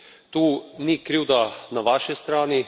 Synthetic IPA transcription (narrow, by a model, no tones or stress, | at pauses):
t̪uːnikɾiːwd̪anaʋaːʃist̪ɾaːni